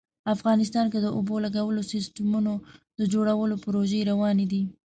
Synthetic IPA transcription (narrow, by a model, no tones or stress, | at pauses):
afɣɑnɪs̬t̪ɑnked̪əʔobolaɡawəlosɪsʈamunod̪əd͡ʒoɽawəlopɾoʒeɾawɑned̪i